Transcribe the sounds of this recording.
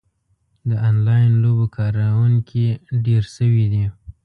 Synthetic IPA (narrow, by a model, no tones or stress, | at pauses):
d̪əɑnlɑjɪnlobokʰɑɾawuŋkʰiɖeɾʃəwid̪i